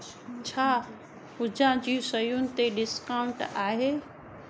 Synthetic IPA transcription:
t͡ɕʰaː | ɦʊd͡ʑãd͡ʑiːsɐjʊnɪ̆t̪eɖɪskaːʊ̃ɳʈaːɦeː

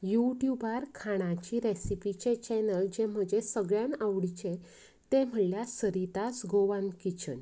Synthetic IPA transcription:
juʈjubʱaɾkʰaɽ̃at͡ɕiɾesipit͡ɕet͡ɕɛnəld͡ʑem̤əd͡ʑesəɡɭjãnaʋɽit͡ɕẽ | t̪em̤əɭljasəɾit̪asɡoʋãnkit͡ɕən

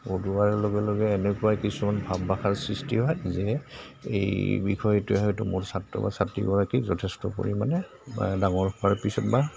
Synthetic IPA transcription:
oduaɹɛlɔɡɛlɔɡɛːnɛkʊwajkisumanbʱabːaxʰaɹsɹistiɦɔjzɛ | ḛjbḭkʰɔjɛtʊɛɦɔjtʊmʊɹsatːɔ̰ba̰satːḭɡɔɹakizɔtʰɛstɔko̰ɹimanɛ | daŋɔɹɔpaɹpisɔt̚ba

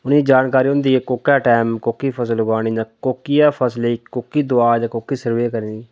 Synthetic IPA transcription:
ʊnĩd͡ʒaːnkaːɾiːɦʊ̃nd̪iːekoːkaːʈaːmkoːkiːpʰəsəlɡaːɽiːd͡ʒãːkoːkijaːpʰəsleːkoːkiːd̪ʊaːd͡ʒãːkoːkiːsəɾʋeːkəɾiː

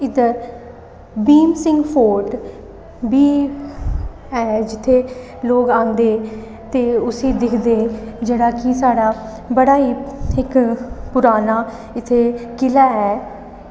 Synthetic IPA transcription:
ɪd̪əɾ | biːmsɪ̃ŋɡpʰoːɾʈ | biː | ɛːd͡ʒɪt̪ʰːeː | loːɡãːnd̪eː | t̪eːʊsĩːd̪ɪkʰd̪eːd͡ʒeːɽaːkisaːɽaː | bəɽaːiːɪkpʊɾaːnaː | ɪt̪ʰːeːkɪlaːɛː

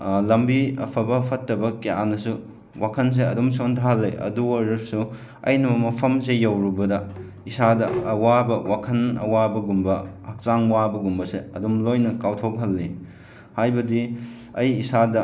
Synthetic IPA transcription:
lɐmbiɐpʰɐbɐpʰɐtːɐbɐkeja̰nɐsu | wakʰɐns̬eɐdumsontʰaɦɐlːeʔɐ̰duoɾɐɾsu | ɐ̰jnɐmɐpʰɐmsejɐwɾubɐdɐ | isadɐɐwabɐwakʰɐnɐ̰wabɐɡumbɐhɐk̚t͡ʃaŋwabɐɡumbɐseɐ̰dumlojnɐkawtʰok̚ɦɐlːi | hajbɐdi | ɐjːsadɐ

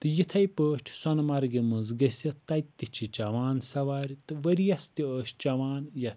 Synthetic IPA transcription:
t̪ɨjit̪ʰɐjpəːʃʈʲʰsɔnmɐɾɡimɨzɡɐsʲɐt̪ɐjt̪ːit͡ʃʰit͡ʃɐʋaːnsɐʋaːɾʲt̪ɨʋɐɾijɐst̪iəːʃt͡ʃɐʋaːnjɐt̪ʰ

